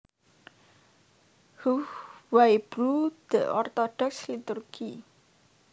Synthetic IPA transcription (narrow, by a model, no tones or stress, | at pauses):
huwajb̥rud̪̥ə̰ʔɔrt̪od̥ɔkslit̪urɡ̥i